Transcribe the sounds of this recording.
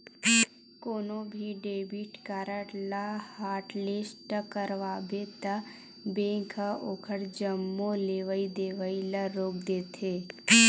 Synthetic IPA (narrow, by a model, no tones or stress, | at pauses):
koːnõbʱiɖeːbiʈkaɾəʈlahaːʈleːsʈəkəɾʋaːbet̪ə | bẽːŋkʰəokʰəɽd͡ʒəmːoleːʋəid̪eːʋəiləɾoːkd̪eːt̪ʰeː